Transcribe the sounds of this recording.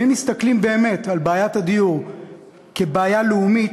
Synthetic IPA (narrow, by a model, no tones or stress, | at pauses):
emist̪aklimbe̞ːme̞talbaːjatad̪ijuʁ | kebaːjaleumi